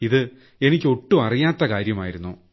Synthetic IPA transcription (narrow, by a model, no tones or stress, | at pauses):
iðɨ | e̞nikʲːo̞ʈːuɐrijaːt̪ːɐkaːɾjɐmaːjiɾunːu